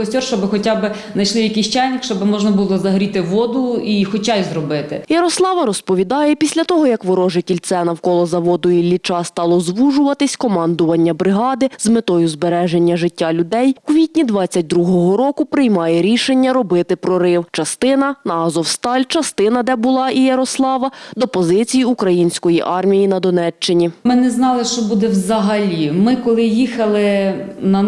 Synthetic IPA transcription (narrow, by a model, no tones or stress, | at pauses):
ɔsʲɔrʃt͡ʃɔbɪxɔtʲabɪ | nɐjʃlɪjɐkiʃt͡ʃajnʲɐkʃt͡ʃɔbɪmɔʒnɐbulˠɔzɐɦɾʲit̪ɪʋɔd̪ʊixɔt͡ʃajzrɔbɪt̪ɪjɐɾɔslˠɑʋɐɾɔspɔʋʲid̪ɑjɛpʲisʲlʲɐt̪ɔɦɔjɐkʋɪɾɔʒɪtʲɪlʲt̪sɛnɐwkɔlˠɔzɐʋɔd̪ʊjilʲːit͡ʃɑst̪ɑlˠɔzʋuʒʊʋɐt̪ɪsʲkɔmɑnd̪ʊʋɐnʲːɐbɾɪɦɑd̪ɪzmet̪ɔjʊzbeɾɛʒenʲːɐʒɪtʲːalʲʊd̪ɛjukʋʲit̚ʲnʲid̪ʋɑt͡sʲːɐt̚ʲd̪ɾuɦɔɦɔɾɔkʊpɾɪjmɑjɛɾʲiʃenʲːɐɾɔbɪt̪ɪpɾɔɾɪwt͡ʃɐst̪ɪnɐnɐɑzɔwst̪ɑlʲt͡ʃɐst̪ɪnɐd̪ɛbʊlˠɑʔijɐɾɔslˠɑʋɐd̪ɔpɔzɪt͡sʲijiukɾɐjinʲsʲkɔjiʔɑrmʲijinɐd̪ɔnɛt͡ʃt͡ʃːɪnʲimɪnɛznɑlˠɪʃt͡ʃɔbud̪ɛwzɐɦɐlʲimɪkɔlˠɪjixɐlˠɪnɐ